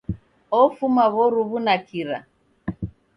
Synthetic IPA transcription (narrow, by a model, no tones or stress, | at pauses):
ɔfumaβɔɾuβunakʰiɾa̰